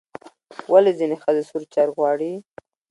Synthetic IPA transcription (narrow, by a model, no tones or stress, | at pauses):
walezinexəzesuɾt͡ʃaɾɣwɑɽi